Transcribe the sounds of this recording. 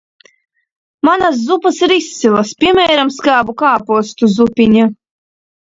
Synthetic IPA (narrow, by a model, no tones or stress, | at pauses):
manas̬zupasiɾist̪silˠaspʲiɛmʲɛːɾamskaːbukaːpuɔst̪uzupʲiɲa